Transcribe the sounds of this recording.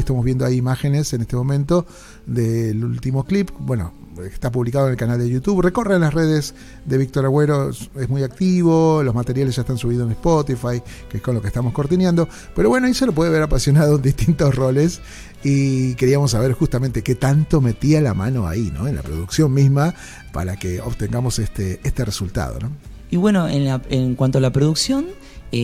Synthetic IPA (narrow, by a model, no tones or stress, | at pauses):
est̪amozβe̞nd̪oajːmaxenesenest̪emo̞mẽnt̪o̞ | ðelult̪imo̞klipbwe̞no̰et̪ap̬uβlikaðonelkanald̪ejut̪uβrekorenlasreðes | ðeβik̚t̪oɾaɣweɾoezmujak̚t̪iβolozmat̪eɾjaleszʒaest̪ansuβiðosenespot̪ifaj | keeskonlo̞kest̪amo̞skoɾt̪injãnd̪o̞ | peɾoβwe̞noaiselop̬we̞ð̞eβeɾapasjo̞naðoend̪iht̪int̪osro̞les | ike̞ɾiamos̬ːaβeɾxust̪amẽnt̪eket̪ant̪o̞me̞t̪ialama̰no̞a̰ino̰enla̰pɾoðuksjonmizma | pa̰ɾakeoβt̪eŋɡamo̞sest̪eest̪eresult̪a̰ð̞o̰no̞ | iβwenoenlaeŋkwant̪oalapɾoðuksjon